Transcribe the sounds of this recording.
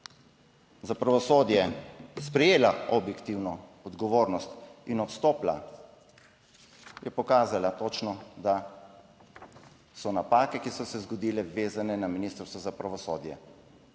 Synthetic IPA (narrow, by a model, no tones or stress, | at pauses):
zapɾaʋɔsoːd̪jɛspɾɛjeːlaɔbjɛkt̪iwnɔɔd̪ɡɔʋoːɾnɔst̪inɔt̪st̪oːpla̰ | jɛpɔkaːzalat̪oːt͡ʃnɔd̪a | sɔnapaːkɛkisɔsɛzɡɔd̪iːlɛʋeːzanɛnaminist̪ɾst̪ʋɔzapɾaʋɔsoːd̪jɛ̰